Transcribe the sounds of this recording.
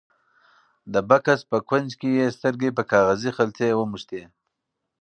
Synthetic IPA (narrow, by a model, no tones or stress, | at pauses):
d̪əbakaspəkwanzkejest̪əɾɡepəkɑɣazixalt͡sewəmuʃt̪e